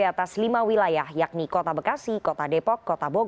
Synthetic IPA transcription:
at̪aslimawilajahjak̚nikɔt̪abəkasikɔt̪adepɔkːɔt̪aboɡ

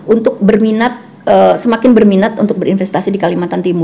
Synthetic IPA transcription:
ʔunt̪ʊk̚bərminat̪̚ | əsəmakɪnbərminat̪unt̪ʊk̚bəɾinfɛst̪asidikalimat̪ant̪imʊ

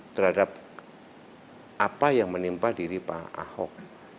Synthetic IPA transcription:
t̪ərhadap̚ | ʔapajaŋmənimpadiɾipa̰a̰hɔ̰k̚

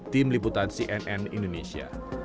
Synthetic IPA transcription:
t̪imliput̪ansiʔɛnʔɛnḭndonesia̰

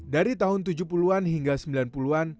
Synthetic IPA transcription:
daɾit̪aɦʊnt̪ud͡ʒupuluanɦiŋɡasəmbilanpuluan

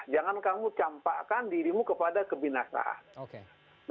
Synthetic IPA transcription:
d͡ʒaŋankamut͡ʃampakandiɾimukəpadakəbinasa̰ʔa̰nokeː

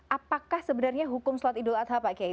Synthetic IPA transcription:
ʔapakahsəbənarɲaɦukʊmsluat̪idʊlat̪ɦapakia

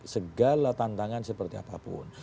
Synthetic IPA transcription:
səɡalat̪ant̪aŋansəpərt̪ia̰papʊ̰n

